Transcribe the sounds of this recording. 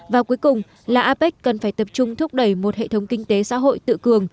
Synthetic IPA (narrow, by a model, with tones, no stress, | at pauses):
vaː˨˩wku˨˦əjkʊ˨˩ŋ͡m | laː˨˩ʔaː˧pɛ˦˥k̟̚kə˨˩nfaː˧˩jt̪ə˨˩p̚t͡ɕʊ˧ŋ͡mt̪ʰʊ˦˥k͡p̚ɗə˧˩jmo˨˩t̚hḛ˧˨t̪ʰwŋ͡mkï˧ŋ̟t̪e˨˦sa̰ː˧˥ɦo̰˧˨jt̪ɨ̰˧˨kɨ˨˩əŋ